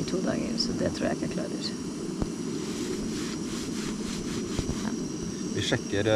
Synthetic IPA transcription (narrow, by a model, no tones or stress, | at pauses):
t̪ʰuːd̪ɑ̰ːɡə̰ɾsɔd̪ɛt̪ʰɾuːjæ̰ɪkːəækʰlɑ̰ːɾəɾ | ʋiʂɛkːəɾ